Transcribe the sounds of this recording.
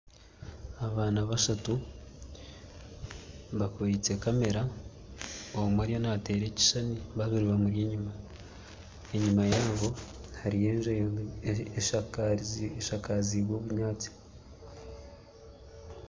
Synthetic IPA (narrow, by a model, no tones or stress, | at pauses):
aβaːnaβaʃatu | βakoβit͡se̞kame̞ɾa | oomwaɾijonate̞ːɾe̞ci̥ʃaniβaβuɾiβamuɾjeɲima | e̞ɲumajaːβo̞haɾije̞ːnʒe | eʃkʃakaziβoːβuɲɲaːt͡si̥